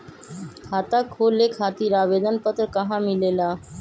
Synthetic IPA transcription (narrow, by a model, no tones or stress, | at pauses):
kʰaːt̪aːkʰoːleːkʰaːt̪iːɾaːʋeːd̪ənpət̪ɾkəɦãːmɪleːlaː